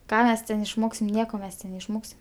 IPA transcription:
ˈkɑː ˈmʲɛs tʲɛn ɪʃˈmoːksʲɪm ˈnʲiɛkoː ˈmʲɛs tʲɛn nʲɛɪʃˈmoːksʲɪm

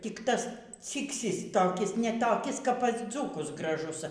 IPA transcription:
tʲɪk ˈtɐs ˈt͡sʲiːksʲiːs toːˈkʲɪs nʲɛ toːˈkʲɪs kɐp pɐs ˈd͡zuːkʊs ɡrɐˈʒʊs

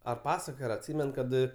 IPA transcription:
ɐr ˈpɑːsɐkoːjoː ɐr ɐtʲˈsʲiːmʲɛn ˈkɐt

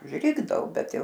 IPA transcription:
ʊʒʲˈrʲɪɡdɐoː ˈbʲɛt ˈjɛʊ

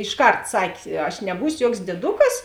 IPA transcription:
ɪʃˈkɐrt ˈsɐkʲ ɐʃ nʲɛˈbuːsʲoː ˈjuɔks dʲiɛˈdʊkɐs

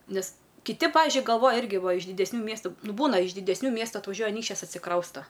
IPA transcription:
ˈnʲɛs kʲɪˈtʲɪ ˈpɑːʋʲɪʒʲʊɪ ɡɐlˠˈʋoːjɛ ˈɪrʲɡʲɪ ˈʋɐ ɪʃ dʲɪdʲɛsʲˈnʲuː ˈmʲiɛstʊ ˈnʊ ˈbuːnɐ ɪʃ dʲɪdʲɛsʲˈnʲuː ˈmʲiɛstʊ ɐtʋɐˈʒʲuɔjɛ ɐˈnʲiːkʃʲt͡ʃʲɛs ɐtʲsʲɪˈkrɐʊstɐ

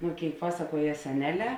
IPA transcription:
ˈnoː ˈkʲeːɪk ˈpɑːsɐˌkuɔjɛ sʲɛˈnʲæːˌlʲɛː

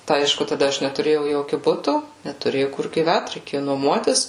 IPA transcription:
tɐɪ ˈɐɪʃkʊ tɐˈdɐ ˈɐʃ nʲɛtʊˈrʲeːjɛʊ ˈjoːkʲʊ ˈbʊtʊ nʲɛtʊˈrʲeːjɛʊ kʊr ɡʲiːˈʋʲæt rʲɛɪˈkʲeːjʊ nuɔˈmuɔtʲɪs

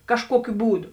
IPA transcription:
kɐʃˈkuɔkʲʊ ˈbuːˌdʊ

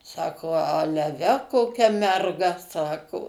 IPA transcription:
ˈsɑːkoː ˈɑːlʲɛ ˈʋʲɛ koːˈkʲɛ mʲɛrˈɡɐ ˈsɑːkoː

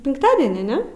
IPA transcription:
pʲɪŋkˈtɑːdʲɛnʲiː ˈnʲɛ

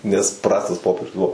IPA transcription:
nʲɛs ˈprɑːstɐs ˈpoːpʲiɛrʲʊs ˈbʊʋoː

